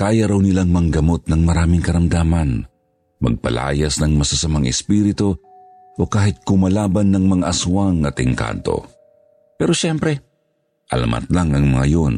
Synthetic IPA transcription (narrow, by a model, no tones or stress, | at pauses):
kaːjaɾawnɪlaŋmɐŋɡɐmot̪̚nɐŋmɐɾaːmɪŋkɐɾɐmd̪aːmɐn | mɐ̰ɡ̚pɐ̰la̰ːjasnɐŋmɐsasɐmaŋɛspiːɾɪt̪o | ʔokaːhɪt̪̚kʊmɐlaːbanːɐŋmɐŋaʔɐsuwaŋːɐt̪ɪŋka̰nt̪o̞̰ | pɛɾoʃɛmpɾɛ | ʔɐla̰mʔa̰t̪laŋɐŋmɐŋajon